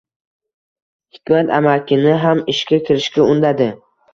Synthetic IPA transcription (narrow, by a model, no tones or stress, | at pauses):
hɪkʲmat̪a̰makʲʰɪnɪɦamɪʃkʲakʲʰɪɾɪʃkʲaʊnd̪ad̪ɪ